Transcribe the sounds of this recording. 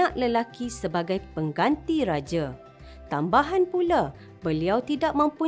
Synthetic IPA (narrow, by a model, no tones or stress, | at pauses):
ãʔləlakisəbaɡajpəŋɡant̪iɾad͡ʒa | t̪ambaɦanpula | bəliawt̪idak̚mə̃mpu